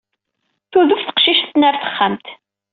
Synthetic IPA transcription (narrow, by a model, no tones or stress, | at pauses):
θuðufθə̥qʃiʃθnəɾθə̥χːəmt̪